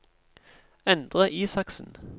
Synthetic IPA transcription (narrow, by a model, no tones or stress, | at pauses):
ɛnd̪ʁəʔiːsɑksn̩